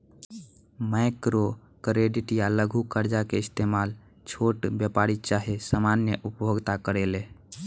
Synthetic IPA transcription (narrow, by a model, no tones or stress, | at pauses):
maɪkɾo | kəɾeɖiʈjaləɡʱukəɾd͡ʒakeɪst̪eːmal | t͡ʃʰoːʈbjəpaɾit͡ʃaɦesamanjəʔʊpjoɡt̪akəɾele